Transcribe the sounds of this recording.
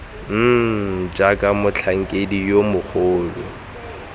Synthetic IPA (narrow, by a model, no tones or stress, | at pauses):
d͡ʒakʼamʊt͡ɬʰaŋ̩kʼedijomʊχʰʊːlʊ̰